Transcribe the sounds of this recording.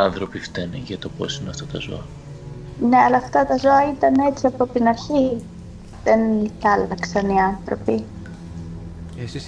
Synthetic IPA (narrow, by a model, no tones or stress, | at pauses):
ɐnθɾopift̪ɐniʝɐt̪o̞po̞̰sineɐft̪ɐt̪ɐzo̞̰ɐ | ne̞ɐlɐːft̪ɐt̪ɐzo̞ɐit̪ɐne̞t͡siɐpo̞t̪inɐɾçi | ðenθɐlɐksɐniɐnθɾo̞̰pi